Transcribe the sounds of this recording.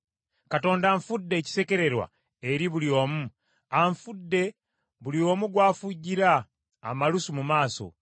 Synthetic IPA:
kato̞ːndaɱfudːe̞ːci̥se̞ce̞ɾe̞ɾwa̰ | e̞ɾiβulio̞ːmu | aɱfudːe̞ | βulio̞ːmuɡwaːfuɟiɾaː | malusumumaːso̞̰

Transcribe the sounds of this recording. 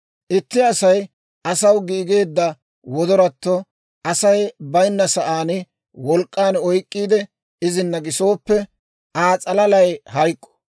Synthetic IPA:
ʔɪt̪ːɪɐsɐj | ʔɐsɐwɡiːɡe̞ːd̪ːɐ | wɔd̪ɔɾɐt̪ːɔ | ʔɐsɐjbɐjnːɐsɐʔaːnɪ | wɔlkʼːaːnɔjkʼːiːd̪ɛ | ɪzɪnːɐɡɪso̞ːpːɛ | ʔaːt͡sʼɐlɐlɐjhɐjkʼːɔ̥

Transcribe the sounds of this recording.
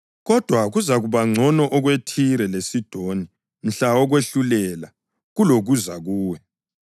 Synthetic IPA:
ɣɔd̥ʱwaɣuzaɣuβaŋ͡ǀʱɔnɔʔɔɣwetʰiɾɛlesid̥ʱoni | m̩ɬaɔɣweɬulɛla | ɣuloɣuzaɣuːwɛ

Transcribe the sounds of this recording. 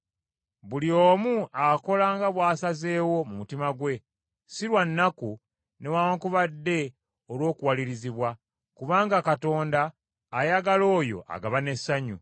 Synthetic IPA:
βulioːmuako̞laːŋɡaβwaːsaze̞ːwo̞mumutimaɡwe̞ | siɾwanːaku | ne̞waokuβadːe̞ | olwo̞ːkuwaliɾiziβwa | kuβaːŋɡakato̞ːndaː | jaɡalo̞ːjo̞̰ʔa̰ɡaβane̞sːaɲu

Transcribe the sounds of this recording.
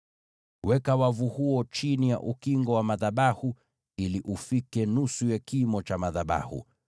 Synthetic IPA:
wɛkawavuhuɔt͡ʃinija̰ʔukiŋɡɔwamaðaɓahu | iliʔufikɛnusujakimɔt͡ʃamaðaɓa̰hṵ

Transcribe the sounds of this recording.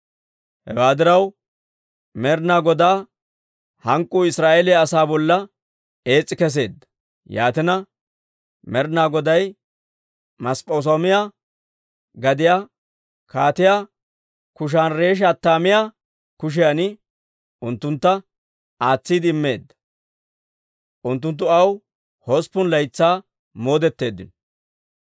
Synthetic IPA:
hɛ̰waːd̪ɪɾɐw | mɛɾnaːɡɔd̪aː | hɐŋkʼːʊːɪsɾaːʔelɛɐsaːbɔlːɐ | e̞ːt͡sʼːɪkɛs̬e̞ːd̪ːɐ̥ | ja̰ːt̪ɪnɐ | mɛɾnaːɡɔd̪ɐj | mɐspʼoːs̬oːmɪjaː | ɡɐd̪ɪjaː | kaːt̪ɪjaː | kʊʃ̬aːnɾe̞ːʃ̬aːt̪ːaːmɪjaː | kʊʃ̬ɪjanɪ | ʊnt̪ːʊnt̪ːɐ | aːt͡sːiːd̪ɪɪmːe̞ːd̪ːɐ̥ | ʔʊnt̪̬ːʊnt̪ːʊɐw | hospːʊnlɐjt͡sːaː | mo̞ːd̪ɛt̪ːe̞ːd̪ːɪn

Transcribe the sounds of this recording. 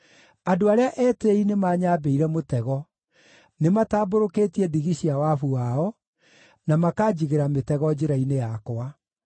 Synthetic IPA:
adoaɾeaʔɛːteinemaːɲaːbeiɾɛmotɛɣɔ | nemataːboɾoketiɛdiɣiɕiawafuaɔ | namakaːd͡ʑiɣeɾametɛɣɔd͡ʑeɾainejakwa

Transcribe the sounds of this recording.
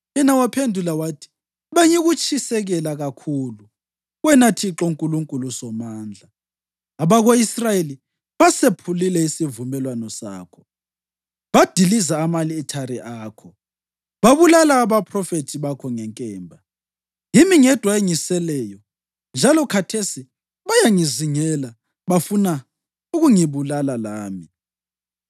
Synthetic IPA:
jɛnawapʰendʱulawatʰi̥ | βaɲɛɣut͡ʃʰʼisɛɣɛlaɣakʰuːlu | ɣwɛnatʰiǁɔŋkʼuluŋkʼulusɔmaːnd͡ɮʱaː | βaɣoisrajeli | βasepʰulilɛisivumɛlwanɔsa̰ːkʰɔ̥ | βad̥ʱilizaːmaliːtʰaɾiʔaːkʰɔ | βaβulalaːβapʰrɔfetʰiβakʰɔŋɛŋkʼɛːmbʱa | jimiŋɛd̥ʱwaeŋisɛlɛːjɔ | nd͡ʒʱalɔkʰatʰesi | βajaŋiziŋɛla | βafuna | uɣuŋiβulalalaːmi

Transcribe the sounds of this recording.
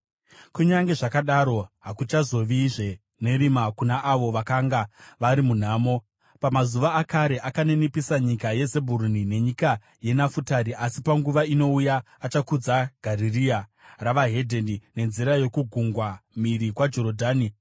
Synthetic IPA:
kuɲaŋɡe̞ʐakaɗaɾo̞ɦakut͡ʃazo̞ʋiʐe̞ | ne̞ɾimakunaʔaʋo̞ʋakaŋɡaʋaɾimun̤aːmo̞ | pamazuʋaːkaɾe̞ʔakane̞nipisaɲikaje̞ze̞bʱuɾunine̞ɲika | je̞nafutaɾiʔasipaŋɡuʋaino̞ujaː | t͡ʃakud͡zaɡ̥ʱariria | raʋaɦedʱendine̞nziɾaje̞kuɡʱuŋɡwamiɾikwad͡ʒo̞ɾodʱaːni

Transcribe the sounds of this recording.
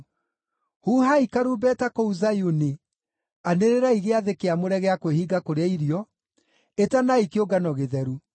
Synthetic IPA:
huːhaikaɾubɛtakouzajuni | aneɾeɾaiɣeaðekeamoɾɛɣeakwehiːɡakoɾeaiɾijɔ | etanaikeoɡanɔɣeðɛɾu

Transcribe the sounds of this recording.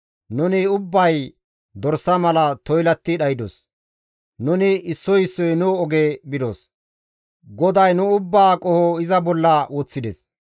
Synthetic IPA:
nʊnɪʊbːɐj | d̪ɔɾsːɐmɐlɐt̪ɔjlɐt̪ːɪɗɐjɪd̪ɔ̰s | nʊnɪɪsːɔjɪsːɔjnʊɔɡeːbɪd̪ɔ̰s | ɡɔd̪ɐjnʊʊbːaːkʼɔhɔɪzɐbɔlːɐwɔt͡sːɪd̪ɛs

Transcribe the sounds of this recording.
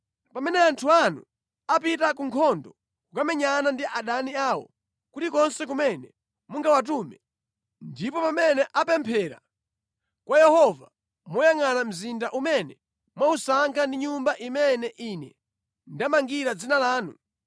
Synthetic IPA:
pamɛnɛantʰuanṵ | apitakuŋkʰɔndɔ | kukamɛɲanandiʔaɗaniaːwɔ̰ | kutikɔnsɛk̬umɛnɛ | muŋɡawat̬umɛ | ndipɔpamɛnɛʔapɛmpʰɛɾa̰ | kwajɛhɔva | mujaŋanam̩zindaʔumɛnɛ | mwausaŋkʰandiɲumbaʔimɛnɛʔinɛ̰ | ndamaŋɡiɾad͡zinalaːnu

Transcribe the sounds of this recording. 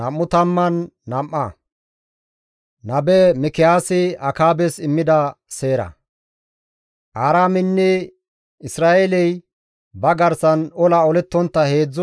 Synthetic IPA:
ɐmːʊt̪ɐmːɐnːɐmːɐ | nɐbɛmɪkɪjaːsɪɐkaːbɛsɪmːɪd̪ɐse̞ːɾɐ̰ | ʔaːɾaːmɪnːɛ | ɪsɾaːʔelɛj | bɐɡɐɾsɐnɔlɐɔlɛt̪ːɔnt̪ːɐhe̞ːd͡zː

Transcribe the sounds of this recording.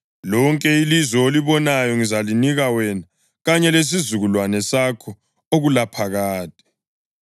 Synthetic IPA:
lɔŋkʼɛilizɔeliβɔnajɔŋizaliniɣawɛna | ɣaɲɛles̬izuɣulwanɛsakʰɔ | oɣulapʰaɣaːtʼɛ̥

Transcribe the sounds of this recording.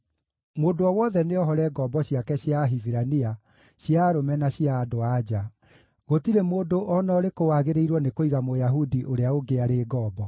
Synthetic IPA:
moːdoɔwɔðɛneɔɦɔɾɛɡɔbɔɕiakɛɕjaɦiviɾania | ɕjaːɾomɛnaɕjaːdoad͡ʑa | ɣotiɾemoːdoʔɔnɔːɾekowaːɣeɾeiɾwɔnekoiɣamojaɦudiʔoɾeaoɡeaɾeːɡɔːbɔ

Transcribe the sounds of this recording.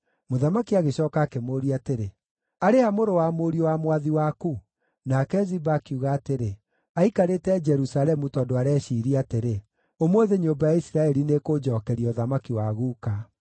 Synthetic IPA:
moðamakiaɣeɕɔːkaːkemoːɾiateɾe | aɾehamoɾowamoɾiowamwaðiwaku | nakɛzibaːkiuːɣaːteɾe | aikaɾetɛd͡ʒɛɾusalɛmutɔdoaɾɛːʃiːɾiateɾe | omwoðeɲombajaisiɾaɛɾinekod͡ʒɔːkɛɾiɔðamakiwaɣuːka

